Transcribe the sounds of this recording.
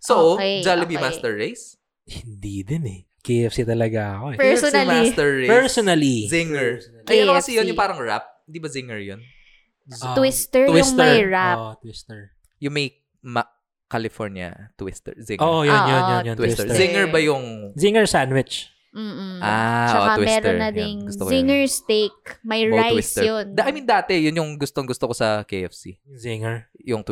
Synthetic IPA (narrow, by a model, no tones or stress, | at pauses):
sowd͡ʒalɪbimast̪ɛɹːejs | hɪnd̪id̪ɛnɛ | keɛfsit̪ɐlɐɡaɐkoʔɛpɛslmst̪ɛɹːepɛɹsonɐlizɪŋɛɹ | kɐjkɐɐsɛjonjʊpaːɾɐŋɹa̰p̚hɪnd̪ibɐzɪŋɛɹjon | owist̪ɛɹwɪʊŋmɛɐjɹaʔt̪wɪst̪ɛɹ | jʊŋmɐj | ma | kalɪfoɹnjɐ̰t̪wɪst̪ɛ̰ɹzɪŋʔojoojonjojowɪst̪ɛzɪŋɛɹbɐjʊŋziŋɛɹsanwɪt͡ʃ | m̩ːʔat͡ʃɐoawimɛsːɾoɹnɐd̪ɪnɡʊst̪oɪŋɛɹst̪ek̚mɐjɹajwɪst̪ɛjond̪ʔɐjmiːnd̪aːt̪ɛjʊnjʊŋɡʊst̪oŋɡʊst̪okosɐkejʔɛfsḭziŋɛɹjʊŋt̪